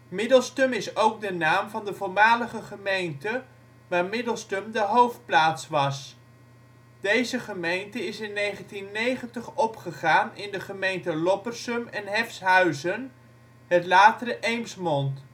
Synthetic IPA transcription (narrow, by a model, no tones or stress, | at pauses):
mɪdəlˠstɵmɪsowɡ̚dənaːmvɑndəvʊːɹmaːləχəχəmejntə | ʋaːɹmɪdəlˠstəmdəɦowft̚plaːtsʋɑs | d̥ejzəχəmejntəɪsɪnːejχəntinːejχəntəχɔpχəχaːnɪndəχəmejntəlɔpərsəmɛnɦɛfsɦœɥzən | ɦətlaːtərəʔejmsmɔnt